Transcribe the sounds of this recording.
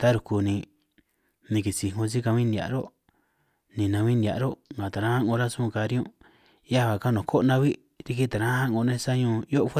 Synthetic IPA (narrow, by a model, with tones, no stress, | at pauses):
t̪a˦ɾu˧˨ku˧nĩ˧ | nĩ˧ki˨si˨ŋõ˧s̬i˦ka˧βĩ˦nd̪ʲa̰˨ʔɾo˦ | nĩ˨˧˨nã˧βĩ˦nd̪ʲa̰˨ʔɾo˦ŋɡã˨t̪a˨ɾã˦hã˦ŋõ˧ɾa˦sũ˦˧ka˧ɾi˦õ˦ | ja˦βa˨ka˦nõ˨˧kʰo˦ʔnã˧βi˦ | ɾi˧ki˦t̪a˨ɾã˦hã˦ʔŋɡõ˧nẽ˦sa˦ɲõ˧jo˦ʔfe˦